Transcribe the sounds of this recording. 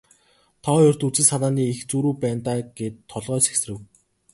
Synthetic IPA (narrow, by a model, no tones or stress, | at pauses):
t̪ʰɔːjʊr̥t̪ut͡sĭnsanaːniːixt͡suːɾuːpæːnt̪aːɡ̥et̪ʰːɔɮʁœːse̥ksrɘ̆w